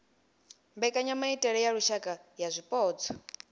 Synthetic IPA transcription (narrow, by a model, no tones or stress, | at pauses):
mbɛkʼaɲamaitʼɛɺɛjaɺuʃakʼajazʷipʼɔːt͡sʰɔ̥